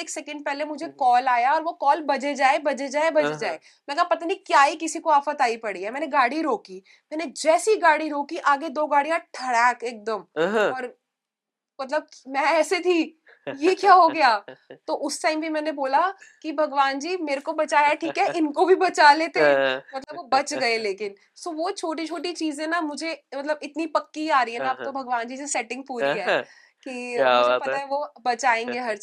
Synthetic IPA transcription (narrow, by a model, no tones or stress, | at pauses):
eːksɛkə̃ɳɖ̚pɛɦlemʊd͡ʒʱekɔːlaːjaɔːɾʋokɔːlbɐd͡ʒed͡ʒaːebɐd͡ʒed͡ʒaːebɐd͡ʒed͡ʒaːe | mɛ̃ːkɐɦapɐt̪aːnikjaːikɪsikoaːfət̪aːipɐɽiɦɛmɛːneɡaːɽiɾoːki | mɛːned͡ʒɛːsiɡaːɽiɾoːkiʔaːɡed̪oːɡaːɽijãʈʰɐɽɛːkeːk̚d̪əmɔːɾ | mɐt̪ləb̚mɛ̃ɛːset̪ʰi | jekjaːɦoɡɐjaːt̪oʔʊsʈãːɪmbʱimɛ̃ːneboːlakibʱɐɡʋaːnd͡ʒiːmeːɾekobɐt͡ʃaːjaʈʰiːkɦɛʔɪnkobʱibɐt͡ʃaleːt̪eɛ̃mɐt̪̬ləbobɐt͡ʃɡɐeleːkɪn | soʋot͡ʃʰoːʈ̬it͡ʃʰoːʈit͡ʃiːzẽnamʊd͡ʒʱemɐt̪ləbɪt̪nipɐkːiaːɾɐiɦɛnaaːp̚t̪obʱɐɡʋaːnd͡ʒiːsesɛʈɪ̃ŋɡ̚puːɾiɦɛː | kiʊʊd͡ʒepɐt̪aɦɛʋobɐt͡ʃaːẽːŋɡeɦɐɾ